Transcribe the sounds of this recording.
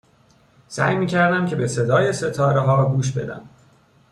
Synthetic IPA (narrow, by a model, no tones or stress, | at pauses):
sæ̰ːjmiːcʰæɾd̪æmcʰe̞bese̞d̪ɒːje̞se̞t̪ʰɒːɾeɦɒːɡuːʃ̬be̞d̪æ̰m